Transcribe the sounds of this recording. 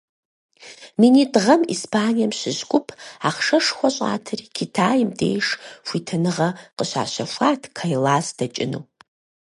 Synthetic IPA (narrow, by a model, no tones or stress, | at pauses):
minidʁɐmḭːspʰaːnijɐmɕɪʑɡʷʊpʰaːχʂɐʂχʷɔɕʼa̰ːtʰɨrikʲʰitʰaːjɪmdḛːʂfʷiːtʰɐnɨʁɐqəɕa̰ːɕɐfʷaːtʰkʰajlaːzd̥ɐt͡ʃʼɪnṵ